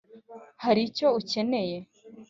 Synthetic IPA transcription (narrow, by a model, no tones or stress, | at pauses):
haɾico̞uce̞ne̞je̞